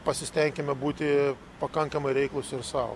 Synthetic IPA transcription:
pɐsʲɪsʲt̪ʲɛŋʲkʲɛmʲɛbuːt̪ʲɪ | pɐkɐŋkɐmɐɪɾʲɛɪklˠʊsʲɪrsɑʊ

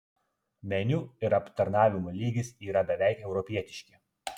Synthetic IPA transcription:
mʲɛnʲuɪɾɐpt̪ɐɾnɑːʋʲɪmoːlʲiːɡʲɪsiːɾɐbʲɛʋʲæˑɪkɛʊɾɔpʲiɛt̪ʲɪʃʲkʲɪ

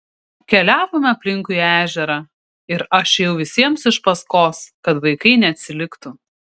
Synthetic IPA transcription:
kʲɛlʲæːʋoːmʲɪɐpʲlʲɪŋkʊiæːʒʲɛɾɑ | ɪɾɐʃjɛʊʋʲɪsʲiɛmsɪʃpɐskoːskɐt̪ʋɐɪkɐɪnʲɛɐt̪ʲsʲɪlʲɪkt̪ʊ

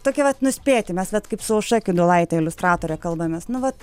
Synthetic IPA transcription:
t̪oːkʲɛʋɐt̪nʊsʲpʲeːt̪ʲɪmʲɛsʋʲɛt̪kɐɪpsʊʊʃɑkʲʊd̪olˠɐɪt̪ʲɛɪlʲʊst̪ɾɑːt̪oːɾʲɛːkɐlˠbɐmʲeːsnʊʋɐt̪

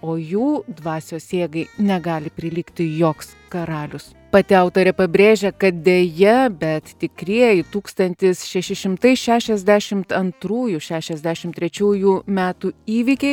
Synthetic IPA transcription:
oːjuːd̪ʋɑːsʲoːsʲeːɡɐɪnʲɛɡɑːlʲɪpʲɾʲɪlʲiːkt̪ʲɪjoːks | kɐɾɑːlʲʊs | pɑːt̪ʲɪɑʊt̪oːɾʲɛpɐbʲɾʲeːʒʲɛkɐt̪̚d̪ʲeːjɛbʲɛt̪t̪ʲɪkɾʲiɛjɪt̪uːkst̪ɐnʲt̪ʲɪsʃʲɛʃʲɪʃʲɪmt̪ɐɪʃʲæːʃʲɛzʲd̪ʲæʃʲɪmt̪ɐnt̪ɾuːjuʃʲæːʃʲɛzʲd̪ʲæːʃʲɪmt̪ʲɾʲɛt͡ʃʲuːjuːmʲæːt̪uːiːʋʲɪkʲɛɪ

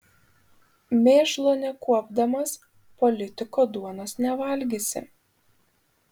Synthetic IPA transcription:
mʲeːʃlˠoːnʲɛkuɔbd̪ɐmɐs | pɔlʲɪt̪ʲɪkod̪uɔnosnʲɛʋɐˑlʲɡʲesʲɪ̰

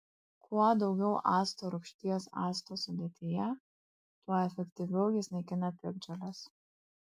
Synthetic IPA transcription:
kuɔd̪ɒʊɡʲɛʊʔɑːst̪oːɾʊkʃʲt̪ʲiːɛsɑ̰ːst̪oːsʊd̪ʲeːt̪ʲɪjɛ | t̪uɔɛfʲɛkt̪ʲiʋʲɛʊjɪsʲnʲɛɪkʲɪnɐpʲɪɡ̚d͡ʒʲɛlʲɐs

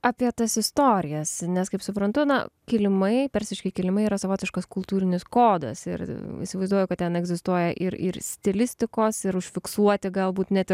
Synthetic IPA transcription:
ɑpʲiɛt̪ɐsɪst̪oːɾʲɪjɛsnʲɛskɐɪpsʊpɾɐnt̪ʊnɐ̰kʲɪlʲɪmɐɪpʲɛɾʲsʲɪʃʲkʲɪkʲɪlʲɪmɐɪiːɾɐsɐʋoːt̪ʲɪʃkɐskʊlˠt̪uːɾʲɪnʲɪskoːd̪ɐ̰sɪ̰ɾḭsʲɪʋɐɪzd̪uɔjʊkɐt̪̚t̪ʲɛnɛɡzʲɪst̪uɔjɛʔɪ̰ɾɪ̰ɾsʲt̪ʲɪlʲɪsʲt̪ʲɪkoːsɪɾʊʃʲfʲɪksuɔt̪ʲɪɡɐlˠbuːt̪nʲɛt̪ɪ

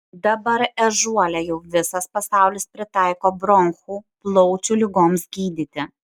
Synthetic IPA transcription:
d̪ɐbɐɾɛʒuɔlʲɛjɛʊʋʲɪsɐspɐsɑˑʊlʲɪspʲɾʲɪt̪ɑˑɪkoːbɾɔŋxuːplˠɔʊt͡ʃʲulʲɪɡoːmsɡʲiːd̪ʲiːt̪ʲɪ

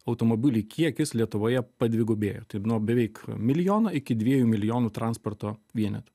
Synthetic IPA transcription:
ɐʊt̪oːmoːbʲɪlʲɪkʲʰiɛkʲɪslʲiɛt̪ʊʋoːjɛpɐd̪ʲʋʲɪɡoːbʲeːjoːt̪ɐɪnuɔbʲɛʋʲɛɪkmʲɪlʲɪjoːnɐɪkʲɪd̪ʲʋʲiɛjuːmʲɪlʲɪjoːnuːt̪ɾɑnsport̪oːʋʲiɛnʲɛt̪ʲʊ̥

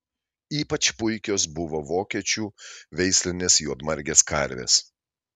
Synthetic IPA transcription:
iːpɐt͡ʃpʊɪkʲoːs̬bʊʋoʋoːkʲiɛt͡ʃʲuːʋʲɛɪsʲlʲɪnʲeːsjuɔd̪mɐɾʲɡʲeːskɐˑɾʲʋʲḛːs

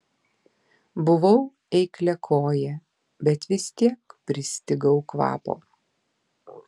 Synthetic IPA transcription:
bʊʋɐʊ | ɛɪklʲɛkʰoːjɛ | bʲɛt̪ʋʲɪst̪ʲiɛkpʲɾʲɪsʲt̪ʲɪɡɐʊkʋɑ̰ːpo̰ː

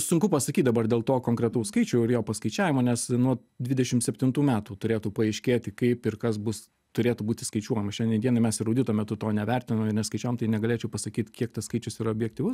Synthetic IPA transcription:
sʊ̃ŋkʊpɐsɐkʲit̚ʲd̪ɐbɐrd̪ʲeːlˠt̪oːkoːŋkɾʲɛt̪ɐʊskɐɪt͡ʃʲʊːɪɾjoːpɐskɐɪt͡ʃʲæːʋʲɪmoːnʲɛsnuɔ | d̪ʲʋʲɪd̪ʲɛʃʲɪmtsʲɛpʲt̪ʲɪnt̪uːmʲæːt̪uːt̪ʊɾʲeːt̪uːpɐɐɪʃʲkʲeːt̪ʲɪkɐɪpɪrkɐsbʊs | t̪ʊɾʲeːt̪uːbuːtʲɪskɐɪt͡ʃʲuɔjɛmɐʃʲɛnd̪ʲiɛnd̪ʲiɛnɐɪmʲɛsɪɾɐʊdʲɪt̪oːmʲɛt̪ʊt̪oːnʲɛʋʲærʲt̪ʲɪnomɪɾnʲɛskɐɪt͡ʃʲæːʋoːmt̪ɐɪnʲɛɡɐlʲeːt͡ʃʲɛʊpɐsɐkʲiːt̪kʲiɛk̚t̪ɐskɐɪt͡ʃʲʊsiːɾɐobʲjɛk̚t̪ʲiʋʊs

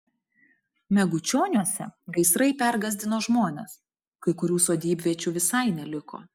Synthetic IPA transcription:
mʲɛɡʊt͡ʃʲoːnʲuɔsʲɛ̰ɡɐɪsɾɐɪpʲæɾɡɐzʲd̪ʲɪnoːʒmoːnʲɛ̰s | kɐɪkʊɾʲuːsoːd̪ʲiːbʲʋʲiɛt͡ʃʲuːʋʲɪsɐɪnʲɛlʲɪko̰ː

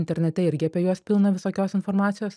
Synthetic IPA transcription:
ɪnʲt̪ʲɛɾʲnʲɛt̪ʲɛɪɾʲɡʲɪɐpʲiɛjuɔspʲɪlˠnɐʋʲɪsoːkʲoːsɪnfoɾmɑːt̪sʲɪjoːs

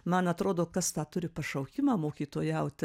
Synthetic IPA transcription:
mɐnɐt̪ɾoːd̪oːkɐst̪ɑːt̪ʊɾʲɪpɐʃɐʊkʲɪmɑːmoːkʲiːt̪oːjɛʊt̪ʲ

